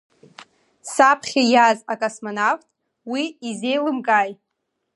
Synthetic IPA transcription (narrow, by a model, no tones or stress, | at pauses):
sapʰχʲajazakʼosmonaftʼ | wiize̞jlɨmkʼajʼ